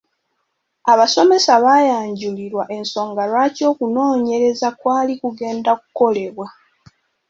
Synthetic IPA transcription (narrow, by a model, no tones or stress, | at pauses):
aβaso̞me̞saβajaːɲɟuliɾwaʔe̞nso̞ːŋɡalwaːco̞ːkuno̞ːɲe̞ɾe̞zakwaːlikuɡe̞ːndakuko̞le̞βwa